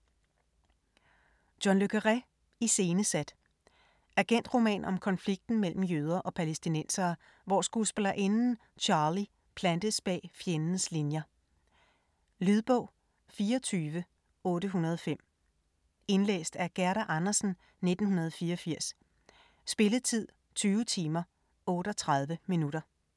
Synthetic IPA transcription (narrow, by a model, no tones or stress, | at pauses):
d̥jɒnløɡ̥ʰəʁa | ise̝ːnəsæd̥ | ʔæɡ̥en̰d̥ʁo̝mɛ̰ːnʔɒ̽mkʰɒ̽nfliɡ̥̚d̥n̩mel̰m̩jøð̞ˠɐʔɒ̽pʰælesd̥inen̰sɐː | ʋɒ̰sɡ̥usb̥elɐʔe̝nn̩ | t͡ɕʰɑ̈ːli | pʰlænd̥əsb̥ɛ̰ːfjenənəslinjɐ | lyðˠb̥ɔ̰ʊ̰ | fiːɐɒt͡sʰyːʋə | ɔ̽ːɾəɦunɐðˠɒfem̰ | e̝nlḛːsd̥æɐɡ̥æɐɾæʔɑnɐsn̩ | ne̝d̥n̩ɦunɐð̞ˠɒfiːɐɒ̽fiɐ̰s | sb̥e̝ləð̩ˠt͡sʰið̰ˠ | t͡sʰyːʊət͡sʰiːmɐ | ɔ̽ːɾ̥ɒt͡sʰʁað̞ˠʋəminuɾ̥ɐ